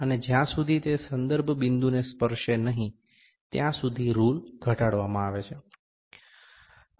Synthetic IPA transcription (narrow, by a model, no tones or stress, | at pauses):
əned͡ʒjãsud̪ʱit̪esənd̪əɾbʱbind̪unespəɾʃenəɦĩ | t̪jãsud̪ʱiɾulɡʱəʈaɽʋamãaʋet͡ʃʰe